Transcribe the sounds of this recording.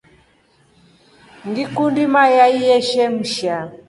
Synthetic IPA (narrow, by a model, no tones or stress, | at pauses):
ŋɡikundimajaijɛʃɛm̩ʃa